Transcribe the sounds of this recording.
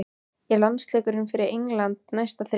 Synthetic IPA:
jɛlanslɛːkʏɾʏmfɪɾɪɾeŋlant̪̚najst̪aθɾ

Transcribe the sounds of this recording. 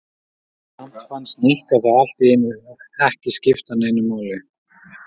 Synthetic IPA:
sam̥t̪fanst̪nihkaθaðal̥t̪iɪnvɪɛhcɪscɪft̪anejnːʏmaːwlɪ

